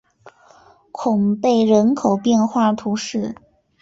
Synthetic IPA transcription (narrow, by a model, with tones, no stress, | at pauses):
kʰʊ˨˩ŋpe˥˩ɪɻə˧˥nkʰo˨˩ʊpjɛ˥˧nxwa˥˩t̪ʰu˧˥ʂɻ̩˥˩